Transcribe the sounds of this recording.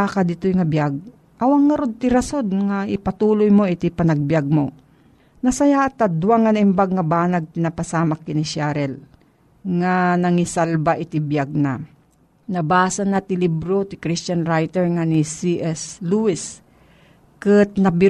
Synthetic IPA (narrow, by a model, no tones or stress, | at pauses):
akad̪ɪt̪ojŋɐbjaɡ̚ | ʔɐwaŋːɐɾod̪̚t̪ɪɾasod̪ŋaʔɪpat̪uːlojmoʔɪt̪ɪpɐnɐɡ̚bjaɡ̚mo̰ | nɐsɐjaʔt̪ad̪waŋːɐnɐɪmbaɡ̚ŋɐbaːnaɡ̚t̪ɪnapasaːmakɪnɪʃaɾɛl | ŋanɐŋɪsalbaʔɪt̪ɪbjaɡ̚na | nɐbaːsanat̪ɪlibɾot̪ɪkɾɪst͡ʃanɾajt̪ɛɹŋanisiʔɛsluɪs | kɨt̪̚nɐbɪ